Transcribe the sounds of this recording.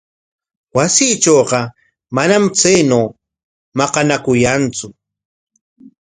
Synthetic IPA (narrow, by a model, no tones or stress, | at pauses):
wasiːt͡ʃowqɑ | manamt͡sajnow | mɑqɑnakʊjant͡sʊ